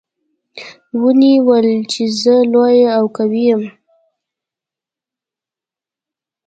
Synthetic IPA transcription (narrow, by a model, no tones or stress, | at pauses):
wəniwəlt͡ʃezəlojeawkawijəm